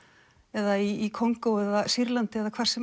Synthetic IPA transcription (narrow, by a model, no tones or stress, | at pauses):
ɛðaiːkʰoŋkowɛðasiɾlant̪ɪɛːðakʰvar̥sɛ